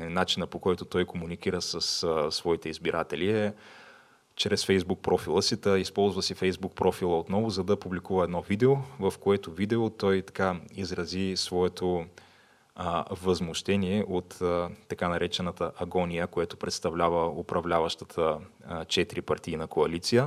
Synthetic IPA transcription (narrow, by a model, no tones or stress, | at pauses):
nat͡ʃinəpokɔjt̪ʊt̪ɔjkomunikiɾəsəssvɔit̪ɛizbiɾʔat̪ɛliɛ | t͡ʃɾɛsfɛjzbuk̚pɾɔfilˠəsit̪əispɔlˠzvəsifɛjzbuk̚pɾɔfilˠəot̪nɔvʊzɐd̪ɐpublikuvɐɛd̪nɔvid̪ɛovɐfkoɛt̪ʊvid̪ɛot̪ɔjt̪ɐ̥kaizɾɐzisvɔɛt̪ʰo | vɐzmʊʃt̪ɛniɛʔot̪ːɐkanɐɾɛt͡ʃɛnət̪əʔɐɡɔnijəkojɛt̪ʊ̥pɾɛt̪st̪ɐvlʲavəʊpɾɐvlʲavɐʃt̪ət̪ʰət͡ʃɛt̪iɾipɐɾt̪iːnɐkoɐlit̪sijə